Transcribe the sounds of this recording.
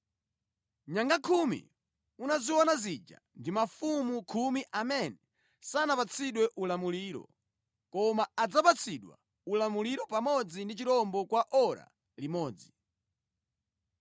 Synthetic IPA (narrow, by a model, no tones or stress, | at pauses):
ɲaŋɡakʰumḭ | unaziwɔnazid͡ʒa̰ndimafumukʰumiʔamɛnɛ | sanapat͡sʰiɗwɛʔulamuliːɾɔ̰ | kɔmaad͡zapat͡sʰiɗwa̰ | ulamuliɾɔpamɔd͡zindit͡ʃiɾɔmbɔkwaʔɔɾa̰ | limɔːd͡zi